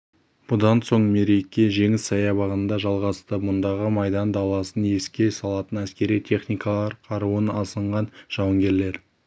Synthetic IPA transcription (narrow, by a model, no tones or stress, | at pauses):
b̥ʊd̪ɑnso̞ɴme̞ɾe̞kʲːe̞ʒe̞ŋɪsːɑjɑbɑʁənnd̪ɑʒɑlˠʁɑst̪əmʊnd̪ɑʁəmɑjd̪ɑnd̪ɑlˠɑsənje̞skʲe̞sɑlˠɑt̪ənæskʲe̞ɾijt̪ʰe̞χnijkɑlˠɑɾqʰɑɾuənɑsəɴʁɑnʒ̥ɑwəŋɡʲe̞ɾle̞ɾ